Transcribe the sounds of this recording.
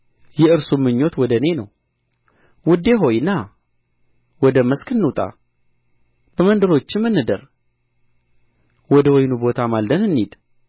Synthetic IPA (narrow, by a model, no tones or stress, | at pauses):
jɛɨɾsumːɨɲːo̞t̪wɔd̪əne̞nəw | wʊd̪e̞ɦo̞jɨnːa | wɔd̪əməskʰɨnːut̪ʼa̰ | b̥əmənd̪əɾo̞t͡ʃːɪmːɨnːɨd̪əɾ | wɔd̪əwɔjnubo̞t̪ʰamald̪ənɨnːid̪